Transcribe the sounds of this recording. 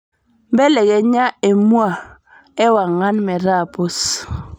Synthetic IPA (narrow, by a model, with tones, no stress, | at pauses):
m˦bɛ˦lɛ˨kɛ˨ɲa˦e˨mwa˨ | e˦wa˨ŋa˦nmɛ˨ɾa˦˨po˦s